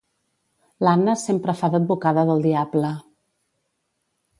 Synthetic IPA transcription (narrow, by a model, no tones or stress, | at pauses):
lanəsempɾəfaðəd̪̚bukaðəðəlˠd̪iablə